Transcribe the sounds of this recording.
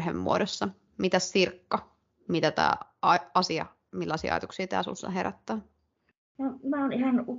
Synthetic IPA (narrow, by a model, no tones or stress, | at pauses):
hḛmːṵodosːɑ | mit̪æssirkːɑ | mit̪æt̪æ̰ː | ɑɑsiɑ̰ | milːɑsḭːɑ̰jɑt̪uksiːt̪æ̰ːsṵnsːɑ̰ɦeræt̪ːæː | nomæonihɑnu